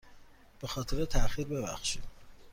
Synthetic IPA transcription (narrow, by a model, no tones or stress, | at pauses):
b̥e̞xɒːt̪ʰeɾet̪ʰæxiɾbe̞bæ̰xʃid̪̥